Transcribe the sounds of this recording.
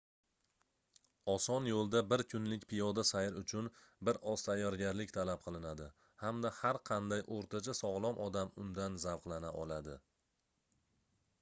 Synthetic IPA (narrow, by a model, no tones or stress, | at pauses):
ɒsɒnjolˠd̪abɪɾkʰʊnlɪkʲpʰɪjɒd̪asajɪɾʊt͡ʃʰʊnbɪɾɒst̪ʰajːɒɾɡʲaɾlɪkʲt̪ʰalap̚qʰɨlˠɪnad̪ɪ | hamd̪ahaɾqʰɑnd̪ajʔoɾt̪ʰat͡ʃʰasɒʁlˠɒmʔɒd̪amʊnd̪anzawqlˠanaʔɒlˠad̪ɪ